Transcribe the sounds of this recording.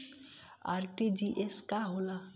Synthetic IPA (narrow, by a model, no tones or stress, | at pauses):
a̰ɾʈid͡ʒiʔeskaɦola